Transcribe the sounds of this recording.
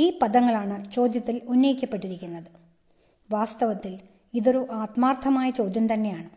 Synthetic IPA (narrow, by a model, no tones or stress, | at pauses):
iːpɐðɐŋːɐɭaːɳɨt͡ɕo̞ːd̪jɐt̪ːilunːɐjikʲːɐpːe̞ʈːiɾikʲːunːɐðɨ | ʋaːst̪ɐʋɐt̪ːil | iðo̞ɾuʔaːt̪maːrt̪ʰɐmaːjɐt͡ɕo̞ːd̪ʱjɐmt̪ɐnːe̞jaːɳɨ